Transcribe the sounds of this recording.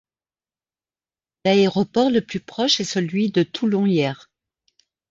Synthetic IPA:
laeʁɔpɔʁləplypχɔʃɛsəlɥid̪ət̪ʰulɔ̃jɛːʁ

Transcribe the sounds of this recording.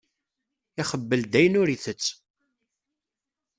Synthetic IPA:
ɪχəbːəld̪æjənʊɾiθət͡sː

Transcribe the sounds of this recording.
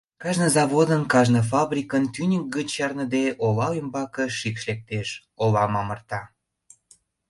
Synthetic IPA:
kɑʒnəzɑβod̪ənkɑʒnəfɑbɾʲikənt̪ynʲək̚ɡət͡ɕjɑrnəd̪eʔolɑymbɑkə̆ʃikʃlek̚t̪eʃ | olɑmɑmərt̪ɑ

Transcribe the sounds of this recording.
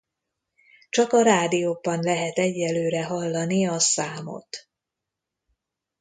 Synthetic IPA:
t͡ʃɒkɒɾaːd̪ijobɒnlɛɦɛt̪ɛɟːɛlːøːɾɛɦɒlːɒniɒsaːmo̰t̪

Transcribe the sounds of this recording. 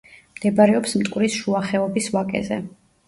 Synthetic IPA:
md̪̥ɛbaɾɛɔpsmt̪ʼkʼɾisʃuaχɛɔbisvakʼɛ̰zɛ̰

